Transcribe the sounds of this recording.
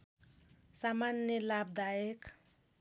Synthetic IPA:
samanjelab̚d̪ajek

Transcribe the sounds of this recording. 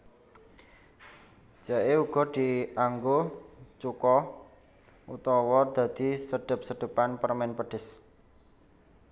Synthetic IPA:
d͡ʒ̥aʔeuɡ̥ɔ̤d̪̥iaŋɡot͡ʃukɔ | ut̪ɔwɔd̪̥ä̤d̪̥i̤səɖ̥ə̤p̚səɖ̪̥ə̤panpərmɛnpəɖ̥ɪ̤s

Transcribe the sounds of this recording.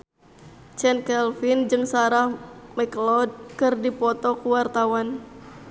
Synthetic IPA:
t͡ʃɛnkɛlfind͡ʒɨŋsaɾahmɛklɔd̚kɨrdipɔt̪ɔkuwart̪awan

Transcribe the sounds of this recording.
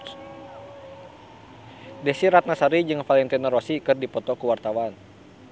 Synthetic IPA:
dɛsiɾat̪̚nasaɾid͡ʒɨŋfalɛnt̪inaɾɔsikɨrdipɔt̪ɔkuwart̪awan

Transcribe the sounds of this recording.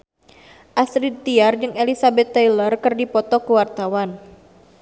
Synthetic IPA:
ʔasɾid̪̚t̪iard͡ʒɨŋelisabɛt̪ːejlərkɨrdipɔt̪ɔkuwart̪awan

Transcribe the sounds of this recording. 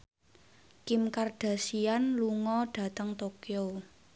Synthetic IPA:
kɪmkarɖ̥a̤sianluŋɔɖ̥ä̤t̪əŋt̪okeo

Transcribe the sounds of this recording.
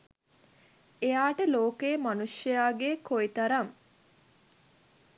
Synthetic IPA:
ejaːʈəloːkejmanuʂjəjaːɡekoit̪ɐɾɐŋ

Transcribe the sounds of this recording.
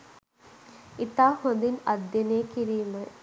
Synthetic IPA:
it̪aːhõnd̪inɐd̪jɐneːkiɾijumɐ

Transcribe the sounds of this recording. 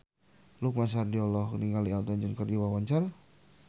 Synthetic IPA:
luk̚masardiɔlɔhkniŋɡalialt̪ɔnd͡ʒənkərd͡ʒiwawaɲt͡ʃara

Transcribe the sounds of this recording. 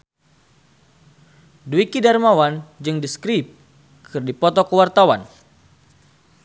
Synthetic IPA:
duikidarmawand͡ʒɨŋdiskɾip̚ | kʰɨrdipɔt̪ɔkəwart̪awa̰n

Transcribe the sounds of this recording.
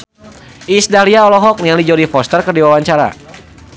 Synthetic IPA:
ʔisdaliaɔlɔɦɔk̚niaŋlid͡ʒɔɾifɔst̪ərkərdiwawaɲt͡ʃaɾa̰

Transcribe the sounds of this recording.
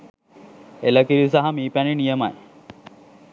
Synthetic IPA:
elɐkiɾisaɦɐmiːpæninijɐma̰j

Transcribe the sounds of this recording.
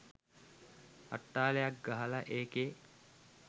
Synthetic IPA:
a̰ʈːaːlejak̚ɡaɦɐlɐʔeːke

